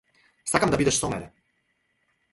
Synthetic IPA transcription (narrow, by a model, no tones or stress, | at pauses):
st̪akamd̪abid̪ɛʃsɔmɛɾɛ